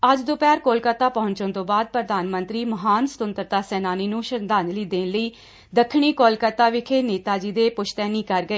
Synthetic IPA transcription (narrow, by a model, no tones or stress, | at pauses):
əd͡ʒd̪opɛːɾkoːlkət̪aːpəɦʊ̃ɲt͡ʃõːnt̪õːbaːd̪̚pɾəd̪aːnmə̃nt̪ɾiːməɦaːnsə̥t̪ʊnt̪əɾt̪aːsɛːnaːniːnũːʃənd̪aːnliːd̪eːnləiː | d̪əkʰːɳ̃iːkoːlkət̪aːʋɪkʰeːneːt̪aːd͡ʒiːd̪eːpʊʃʰt̪ɛːniːkəɾɡəeː